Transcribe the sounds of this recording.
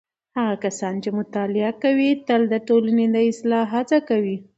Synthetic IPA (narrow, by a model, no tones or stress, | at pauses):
haɣakasɑnt͡ʃemʊt̪ɑlɪakawit̪əld̪əʈolaned̪əɪslɑɦat͡sakawi